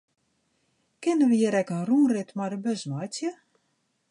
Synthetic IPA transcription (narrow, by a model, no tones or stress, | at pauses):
kɪnəʋəjɪɾɛkənruːrɪtmadəbøzmajtjə